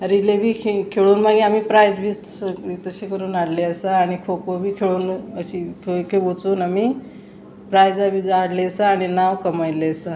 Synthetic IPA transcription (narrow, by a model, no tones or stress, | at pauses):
ɾilebʱiːkkʰeɭuːnmaɡĩamipɾajd͡zbʱist̪səit̪əɕekəɾuːnaɽleəsaːɽ̃ikʰokobʱiːkʰeɭuːnəɕikʰokebot͡suːnami | pɾajd͡zabʱid͡zaɽleəsaːɽ̃inawkəmajleəsa